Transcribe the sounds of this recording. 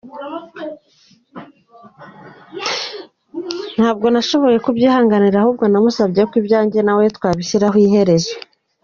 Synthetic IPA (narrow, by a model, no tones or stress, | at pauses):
n̥haːb̚ɡo̞naʃo̞βo̞je̞kubjiːhaːŋɡaniɾahuːb̚ɡo̞namusabɟekwibjaːɲɟe̞nawetkwaːβisiɾaɦwiɦe̞ɾe̞zwe